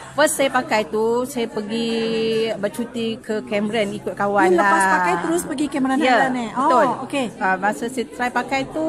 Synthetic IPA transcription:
fəssajapakajt̪usajapəɡi | bərt͡ʃut̪ikʰəkɛməɾanikʊt̪̚kawanlaaspaajt̪əɾʊspəɡikɛmɾanjəaniəot̪olokeamasəsat̪ɾajpakajt̪u

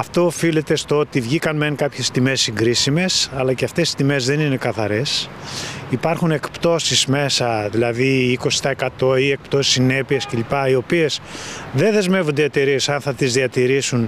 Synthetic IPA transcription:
ɐft̪o̞ːfile̞t̪e̞st̪oot̪ivʝikɐnmeŋkɐpçe̞st̪ime̞siŋɡɾisime̞sɐlɐceɐft̪e̞si̥st̪ime̞zðe̞nine̞kɐθɐɾe̞s | ipɐɾxune̞kpt̪o̞sisme̞sɐðilɐðiːko̞si̥t̪ɐekɐt̪o̞ie̞k̚pt̪o̞si̥sine̞piesce̞lipɐio̞pie̞sðe̞nðe̞zme̞vund̪iɐt̪iɾie̞sɐnθɐt̪izðiɐt̪iɾisun

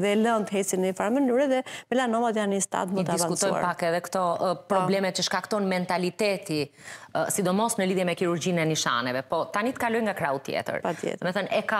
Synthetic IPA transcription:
ðɛlənt̪əɦɛt͡sinɛfaɾmənyɾɛðɛmɛlanɔvat̪janːist̪a̰t̪məd̪t̪aisvsankut̪ɔja̰ɾpakɛðɛkt̪ɔpɾɔblɛmɛcəʃkakt̪ɔnmɛnt̪alit̪ɛt̪i | sid̪ɔmɔsnəliðjɛmɛkiɾuɾɟinɛniʃa̰nɛvɛpɔt̪anit̪ə̥kalɔjŋɡakɾaut̪jɛ̰t̪ə̰ɾpat̪jɛ̰mɛθənɛka

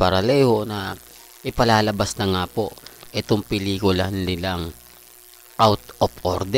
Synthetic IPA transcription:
pɐɾɐlɛhonɐ | ʔɪpɐlaːlɐbasnɐŋaːpo̞ʔɛt̪oŋpɪliːkʊlannɪlaŋ | ʔawt̪ʔopʔoɾd̪ɛ

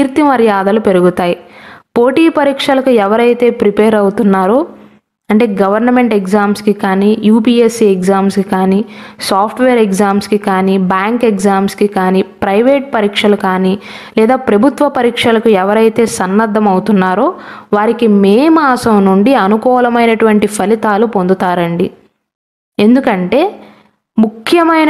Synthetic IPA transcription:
iɾt̪imɐɾjaːd̪ɐlupe̞ɾuɡut̪aːjipoːʈiːpɐɾiːkʂɐlɐkuɛʋɐɾɐjt̪e̞ːpɾipeːɾɐwut̪unːaːɾoː | ɐɳʈe̞ːɡɐʋɐɾnɐme̞ɳʈeɡzaːmskikaːnijuːpiːesiekzaːmskikaːnisaːpʰʈʋeːɾeɡd͡ʒaːmskikaːnibaːŋkeɡzaːmskikaːnipɾɐjʋeːʈ̚pɐɾiːkʂɐlɐkaːni | lɛːd̪aːpɾɐbʱut̪ʋɐpɐɾiːkʂɐlɐkuɛʋɐɾɐjt̪e̞ːsɐnːɐd̪ʱːɐmɐwt̪unːaːɾoːʋaːɾikimeːmaːsɐmnuɳɖiɐnukɔːlɐmɐjnɐʈuʋɐɳʈipʰɐlit̪aːlupond̪ut̪aːɾɐɳɖi | e̞nd̪ukɐɳʈe̞ː | mukʰːjɐmɐjn

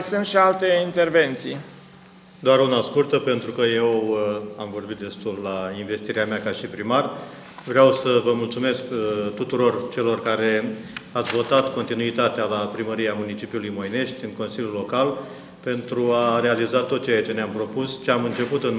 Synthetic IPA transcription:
sɨnt̪ʃialt̪eint̪erve̞nt̪si | d̪oaɾunaskurt̪əpe̞nt̪ɾukəje̞wamvo̞rbit̪̚d̪e̞st̪ulːainve̞st̪iɾeameakaʃipɾimar | vɾeawsəvəmult̪sume̞skt̪ut̪uɾo̞rt͡ʃe̞lo̞rkaɾe̞at̪sʲvo̞t̪at̪ko̞nt̪inuit̪at̪ealapɾiməɾijeamunit͡ʃipiulujmo̞jne̞ʃt̪ʲɨŋko̞nsilʲjulo̞kal | pe̞nt̪ɾuare̞alizat̪o̞t̪̚t͡ʃejat͡ʃe̞neampɾo̞pust͡ʃeamɨnt͡ʃe̞put̪ɨn

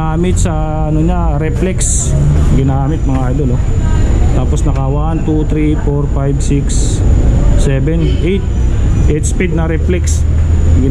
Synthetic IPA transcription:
aːmɪt̪̚sɐː | noɲaɾɛplɛks | ɡɪnaːmɪt̪̚mɐŋaʔajd̪olo | t̪aːposnɐkɐwant̪ut̪ɾifoɾfajbsiksː | ɛbɛnʔejt̪̚ | ʔɛjt̪spid̪̚nɐɾɛplɛks | ɡɪ

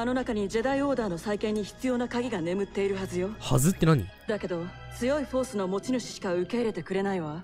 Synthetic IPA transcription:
ano̞nakaɲ̟id͡ʑed̪aio̞ːd̪aːno̞saikẽ̞ɲ̟ːiçi̥t͡sɨjo̞nakaɡʲiɡane̞mɯ̟t̪ːe̞iɾɯ̟ɦazɨjo̞ha̰zɨt̪ːenaɲ̟ḭd̪ake̞d̪o̞ | t͡sɨjo̞iɸo̞ːsɨno̞mo̞t͡ɕinɯ̟ɕi̥ɕi̥kaɯ̟ke̞iɾe̞t̪e̞kɯ̟ɾe̞naiβa

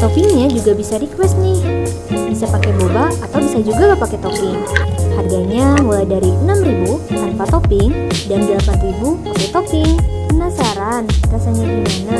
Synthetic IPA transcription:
t̪opɪŋɲad͡ʒuɡabisaɾikwɛst̪̚nɪh | bisapakɛbobaːt̪awbisad͡ʒuɡakapakɛt̪opɪŋharɡaɲamulajdaɾiʔənamribuhanpat̪opɪŋdanɡəlapanribupakɛt̪opɪŋpənasaɾanrasaɲaɡimana

